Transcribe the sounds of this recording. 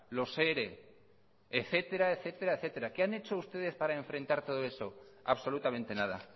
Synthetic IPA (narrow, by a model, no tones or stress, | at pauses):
lo̞seɾe | eθe̞t̪e̞ɾaeθe̞t̪eɾaeθe̞t̪e̞ɾakeane̞t͡ʃo̞ust̪e̞ð̞e̞spaɾae̞ɱfɾẽ̞nt̪aɾt̪o̞ð̞o̞eso̞a̰βso̞lut̪amẽ̞nt̪e̞nað̞a̰